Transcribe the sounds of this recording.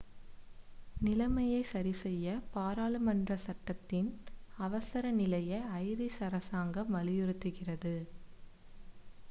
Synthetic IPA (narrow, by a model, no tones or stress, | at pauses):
nɪlɐmɐjɐɪsɐɾɪsɛjːɐpaːɾaːlɯmɐndrɐsɐʈːɐt̪ːɪnɐʋɐsɐɾɐnɪlɐjɐɪɐɪɾisɐɾɐsaːŋɡɐmʋɐlɪjɯɾɯt̪ːɯɣɪrɐðɯ